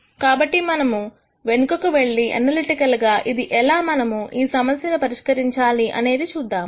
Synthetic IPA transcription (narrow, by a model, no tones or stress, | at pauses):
kaːbɐʈːimɐnɐmu | ʋe̞nukɐkuʋe̞ɭːiʔɐ̰nɐliʈikɐlɡaːʔid̪iʔɛlaːmɐnɐmuʔiːsɐmɐsjɐnupɐɾiʂkɐɾiɲt͡ʃaːliʔɐ̰ne̞ːd̪it͡ʃuːd̪ːaːm